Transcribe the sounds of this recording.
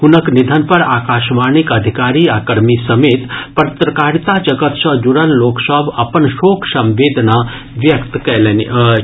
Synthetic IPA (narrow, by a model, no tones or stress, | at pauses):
hʊnəknid̪ʱənpəɾaːkaːʃmaːnikəd̪ʱikaːɾiaːkəɾmisəmeːt̪pəɾt̪ɾəkaːɾt̪ad͡ʒəɡət̪sə̃d͡ʒuɽənloːksəbʱɐpənʃoːkʰsə̃mʋeːd̪ʱna | ʋjəkt̪kɛlen